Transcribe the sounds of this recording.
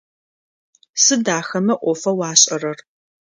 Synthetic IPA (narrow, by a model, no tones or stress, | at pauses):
sɨdaːxɐmɐʔʷɔfɐwɑːɕʼɐrɐr